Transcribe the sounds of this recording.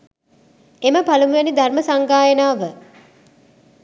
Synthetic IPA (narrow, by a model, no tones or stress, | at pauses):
eməpalumujenid̪ʱarməsaŋɡaːjənaːʋə